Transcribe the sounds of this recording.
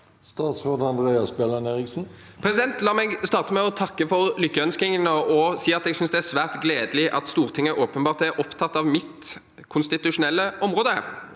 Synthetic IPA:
st̪ɑːt̪sʁoːd̪ɑnd̪ʁeːɑsbɛlɑneːʁɪksn̩ | pʰʁɛsɪd̪ɛnt̪lɑːmɛɡst̪ɑːʁt̪əmɛɔt̪ʰɑkːəfɔʁlʏkːəœnskɪŋənəʔɔsiːɑt̪ɛɡsʏnsd̪ɛæʁsʋæːʁt̪ɡleːd̪əlɪʔɑ̰t̪st̪uːʁt̪ʰɪŋːəʔoːpənbɑːʁt̪ɛɾʔɔpt̪ʰɑt̪ːɑʋmɪt̪ | kʰʊnst̪ɪt̪ʉʂʊnɛlːəʔɔmʁoːd̪ə

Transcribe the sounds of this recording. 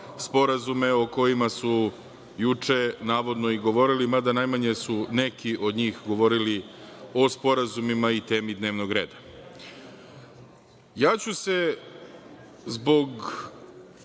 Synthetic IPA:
spo̞ɾazume̞oko̞jimasu | jut͡ʂe̞naːʋo̞d̪no̞iɡo̞ʋo̞ɾilimad̪anajmaɲe̞sune̞kiʔo̞d̪ɲiːxɡo̞ʋo̞ɾilio̞spo̞ɾazumimait̪e̞ːmid̪ne̞ːʋnoɡɾe̞̰ːd̪a | jaːt͡ɕuse̞ | zbo̞ɡ

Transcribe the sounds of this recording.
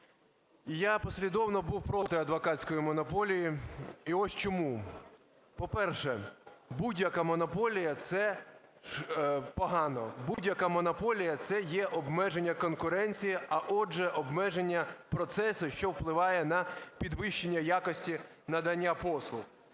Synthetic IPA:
japɔsʲlʲid̪ɔwnɔbuwpɾɔt̪ɪɐd̪ʋɔkɑt͡sʲkɔjimɔnɔpɔlʲijiiɔsʲt͡ʃɔmu | pɔpɛrʃɛbudʲjɐkamɔnɔpɔlʲijɐt̪sɛ | pɔɦɑnɔ̰budʲjɐkamɔnɔpɔlʲijɐt̪sɛjɛʔɔbmɛʒenʲːɐkɔnkʊɾɛnʲt͡sʲijiʔɐʔɔd͡ʒɛʔɔbmɛʒenʲːɐpɾɔt̪sɛsʊʃt͡ʃɔwplˠɪʋɑjɛnɐpʲid̪ʋɪʃt͡ʃːenʲːɐjakɔsʲtʲi | nɐd̪ɐnʲːapɔslˠʊx

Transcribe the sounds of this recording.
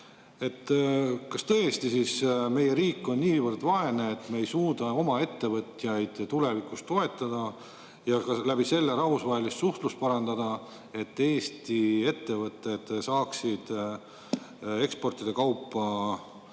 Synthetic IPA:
e̞t̪ːkɑst̪ɤjest̪isisme̞je̞ɾiːkːˑo̞nːiːvərd̪̥vɑe̞neet̪ːˑmeːjsuːd̪ɑo̞mɑe̞t̪ːe̞vɤt̪jɑjd̪̥t̪ule̞vikust̪ːo̞e̞t̪ːˑɑd̪̥ɑ | jɑkɑlæb̥ise̞lːeɾɑɦusvɑɦe̞list̪suht̪lust̪̚pɑɾɑnd̪̥ɑd̪̥ɑ | e̞t̪ːeːst̪ie̞t̪ːe̞vɤt̪ːˑe̞d̪̥sɑːksid̪̥ | e̞kspo̞rt̪ˑid̪̥e̞kɑwpːɑ

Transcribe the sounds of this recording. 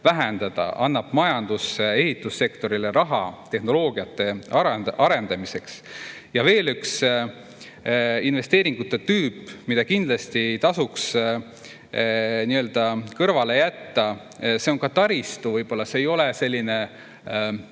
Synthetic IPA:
væɦænd̪̥ɑd̪̥ɑ̰ʔɑnːɑb̥mɑjɑnd̪̥use̞ɦit̪ːˑusːe̞kt̪o̞ɾileɾɑɦɑ̰t̪e̞hno̞lo̞ːɡiɑt̪ːˑe̞ɑɾɑɾe̞nd̪ɑmise̞ks | jɑve̞ːlyks | inve̞st̪e̞ːɾiŋɡ̥ut̪ːˑet̪yːpːˑmid̪̥ɑkind̪lɑst̪it̪ɑsuks | niø̞ld̪̥ɑkɤrvɑle̞jæt̪ːɑ | se̞o̞ŋkɑt̪ɑɾist̪uvɤjb̥o̞lːɑseːjo̞lese̞lʲːine̞

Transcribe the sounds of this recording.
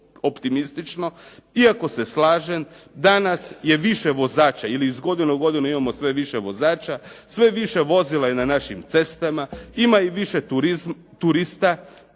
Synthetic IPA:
o̞pt̪imist̪it͡ʃno̞iako̞se̞slaːʒemd̪anasje̞ʋiʃeʋo̞zaːt͡ʃailiizɡo̞d̪inuɡo̞d̪ineimamo̞sʋe̞ʋiʃeʋo̞zaːt͡ʃasʋe̞ʋiʃe̞ʋo̞zilˠajenanaʃimt̪se̞st̪amaimaiʋiʃe | t̪uɾist̪a

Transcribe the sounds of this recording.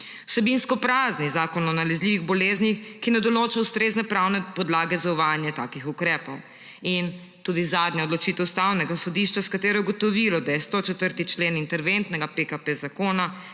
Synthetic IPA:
wsɛbinskɔpɾaːznizaːkɔnɔnalɛzliːʋiɣbɔleznixkinɛd̪ɔloːt͡ʃawst̪ɾeznɛpɾawnɛpɔd̪laːɡɛzauʋaːnjɛt̪aːkixukɾɛːpɔw | in | t̪ud̪izaːd̪njaɔd̪lɔt͡ʃiːt̪ɛwst̪awnɛɡasɔd̪iʃt͡ʃaskat̪eːɾɔɡot̪ɔʋilɔd̪ajɛst̪ot͡ʃɛt̪əɾt̪it͡ʃleːnint̪ɛɾʋent̪nɛɡapekapezakoːna

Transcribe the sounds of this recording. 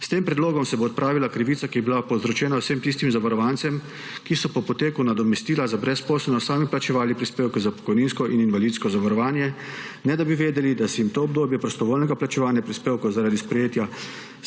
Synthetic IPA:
st̪eːmpɾɛd̪loːɡɔmsɛboːt̪̚pɾʔaːʋilakɾiʋiːt̪sakiɛbilapɔwzɾɔt͡ʃɛːnawsemt̪ist̪imzaʋaɾɔʋant̪sɛm | kisɔpɔpɔt̪eːkunad̪ɔmɛst̪iːlazabɾɛspoːslɛlnɔssaːmiplat͡ʃɛʋaːlipɾispeːwkɛzapɔ̥kɔjniːnskɔʔininʋalit̪skɔzaʋaɾɔʋaːnjɛ | nɛd̪abiʋeːd̪ɛlid̪asɛjimt̪oːb̚d̪oːbjɛpɾɔst̪ɔʋoːlnɛɡaplat͡ʃɛʋaːnjapɾispeːwkowzaɾad̪ispɾɛjeːt̪ja

